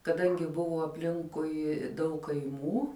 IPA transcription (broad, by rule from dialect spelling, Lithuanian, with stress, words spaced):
kɐˈdɐŋʲɡʲɪ ˈbʊʋoː ɐpʲˈlʲɪŋkʊɪ dɐʊk kɐɪˈmuː